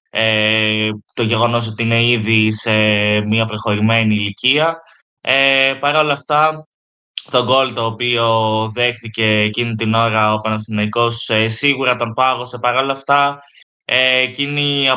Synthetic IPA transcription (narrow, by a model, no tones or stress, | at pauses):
e | t̪o̞ʝe̞ɣo̞no̞s̬o̞t̪iine̞iðise̞miɐpɾoxo̞ɾime̞niːliciɐ | epɐɾo̞lɐft̪ɐ | t̪o̞ɡo̞lit̪o̞ːpio̞ðe̞xθice̞ːcinit̪ino̞ɾɐoepɐnɐsθinɐiko̞sesiɣuɾɐt̪o̞mpɐɣo̞se̞pɐɾo̞lɐft̪ɐ | eːciniɐ